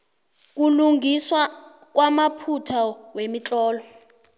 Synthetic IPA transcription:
k̬uluŋiswa | k̬wamapʰutʰawemit͡ɬʼɔːlɔ

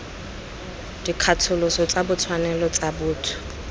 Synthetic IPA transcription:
d̥ikʰatʰʊlʊsɔt͡sʼabʊt͡sʰwanɛlɔt͡sʼabʊːtʰʊ̥

